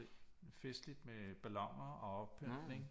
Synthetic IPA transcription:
fesd̥lid̥meb̥ælɒ̽ŋ̰ɐɒ̽ɒ̽b̥̚pʰːød̥ne̝ŋ

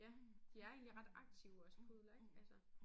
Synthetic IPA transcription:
jæd̥iæɐe̝ːnliʁɑ̈d̥ɑ̈ɡ̥̚t͡sʰiʊɒ̽sə̥pʰoðˠlæ̥ælsə

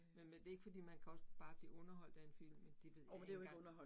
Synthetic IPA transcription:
menmend̥e̝ɐe̝ɡ̥fɒ̽d̥ḭːmænkʰæɒ̽sb̥ɑ̈ːb̥lḭːɔ̽nɐɦɒ̽l̰d̥æe̝nfil̰mːend̥e̝ʋe̝ð̞̰ˠmmndejoɡɔnɐhɒ

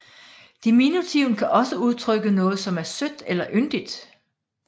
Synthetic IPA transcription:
d̥iminut͡sʰiʊnkʰæʔɒ̽səuð̞ˠt͡sʰʁœɡ̥ənɔ̽ːð̩ˠsɒ̽mæɐsød̥elɐʔønd̥id̥

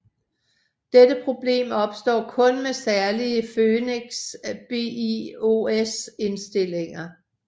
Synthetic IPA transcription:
d̥ed̥əpʰʁo̝b̥le̝̰ːmɒ̽b̥sd̥ɒ̰ːkʰɔ̽nmesæɐliəføːneɡ̥sb̥e̝ioese̝nsd̥e̝l̰e̝ŋɐ

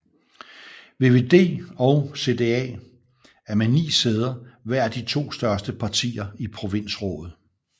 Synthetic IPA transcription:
ʋe̝ːʋe̝ːd̥e̝̰ːɒ̽ʊse̝d̥e̝ɛ̰ː | æɐmenḭːseːð̞ˠɐʋæɐ̰æd̥it͡sʰo̝̰ːsd̥ɶɐsd̥əpʰɑ̈t͡sʰḭːɐipʰʁo̝ʋe̝n̰sʁɔ̰̽ːðð̩ˠ

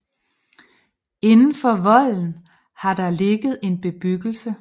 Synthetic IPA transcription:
e̝nn̩fɒ̽ʋɒ̽l̰n̩ | hɑ̈d̥ɑ̈le̝ɡ̥ð̞̩ˠe̝nb̥e̝b̥yɡ̥l̩sə

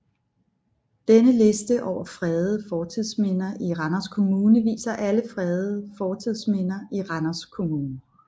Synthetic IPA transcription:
d̥enəle̝sd̥əʔɒʊ̰ɐfʁɛːðˠəfɒːt͡sʰið̰ˠsmen̰ɐʔiʁɑnɐskʰo̝muːnəʋḭːsɐʔæləfʁɛːðˠəfɒːt͡sʰiðˠsmen̰ɐiʁɑnɐskʰo̝muːnə

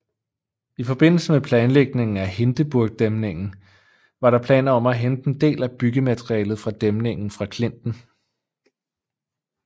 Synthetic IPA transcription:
ifɒ̽b̥e̝n̰l̩səmepʰlɛːnleɡ̥ne̝ŋn̩æhe̝nd̥əb̥uɐɡ̥̚d̥emne̝ŋ̰n̩ | ʋɑ̈ɾɑ̈pʰlɛ̰ːnɐɒ̽mæɦend̥end̥e̝̰ːlæb̥yɡ̥əmæt͡sʰʁiɛ̰ːlð̞̩ˠfʁɑ̈d̥emne̝ŋn̩fʁɑ̈kʰle̝n̰d̥n̩

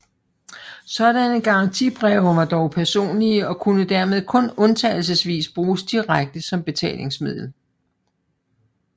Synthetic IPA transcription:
sɒ̽ɾ̥ænəɡ̥ɑ̈ɑ̈nt͡sʰḭb̥ʁɛʊʋɑ̈d̥ɒʊpʰæɐso̝̰ːnliəɒ̽kʰunəd̥æɐme̝ð̞ˠkʰɔ̽nɔ̽nt͡sʰɛːɪl̩səsʋḭːsb̥ʁuːsd̥iʁaɡ̥̚d̥əsɒ̽mb̥e̝t͡sʰɛ̰ːlʔe̝ŋsmið̰ˠl̩

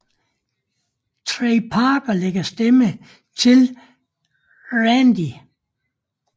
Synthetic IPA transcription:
t͡sʰʁeɪpʰɑːb̥ɐleɡ̥ɐsd̥emə | t͡sʰe̝l | ʁændi

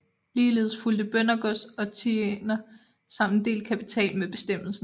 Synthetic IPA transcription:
liːle̝̰ːð̞̩ˠsfuld̥əb̥œnɐɡ̥ɔsɒ̽t͡sʰienɐ | sɑ̈m̰n̩d̥e̝̰ːlkʰæpʰit͡sʰɛ̰ːlmeb̥e̝sd̥em̰l̩sn̩

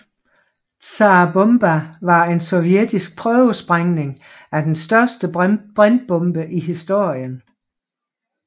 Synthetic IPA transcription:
t͡sɑ̈b̥ɔmb̥æʋɑ̈e̝nsɔ̽ʋjed̥isɡ̥̚pʰʁœʊəsb̥ʁaŋne̝ŋ | æd̥ensd̥ɶɐsd̥əb̥ʁand̥̚b̥ɔ̽mb̥əʔiɦisd̥o̝ɐ̰jən

